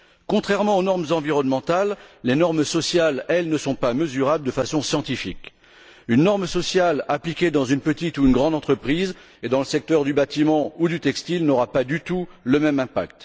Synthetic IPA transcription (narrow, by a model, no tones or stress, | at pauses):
kɔ̃t̪χɛʁmɑ̃onɔʁmzɑ̃viʁɔnmɑ̃t̪alːenɔʁmsɔsjalɛlnəsɔ̃paməzyʁabld̪əfasɔ̃sjɑ̃t̪ifik | ynːɔʁmsɔsjalaplikʲed̪ɑ̃zynpət̪it̪uːnɡʁɑ̃d̪ɑ̃t̪χəpχiz | ed̪ɑ̃ləsɛk̚t̪œʁd̪ybat̪imɑ̃ud̪yt̪ɛkst̪ilnɔʁapad̪yt̪uləmɛmɛ̃pa̰kt̪